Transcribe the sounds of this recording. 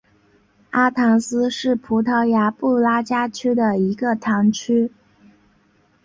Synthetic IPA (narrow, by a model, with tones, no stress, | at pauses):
a˥t̪ʰɑ˧˥ŋsɹ̩˥ʂɻ̩˥˩pʰu˧˥t̪ʰɑ˧˥ʊja˧˥pu˥˩la˥t͡ɕja˥t͡ɕʰy˥d̪ə˨i˧˥ɡə˧t̪ʰɑ˧˥ŋt͡ɕʰy˥